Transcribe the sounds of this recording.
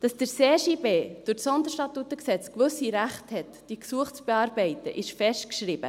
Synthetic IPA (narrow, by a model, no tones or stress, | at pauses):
d̥ɑsd̥əɾseːʃibeːd̥ʊtsɔnd̪əɾʃtɑtːutəksɛt͡skʋɵsiɾæχthɛtd̥iəksuəχt͡sb̥ɛɑːɾbɛɪtə̰ʔɪʃfɛʃtkʃɾɪb̥ə̰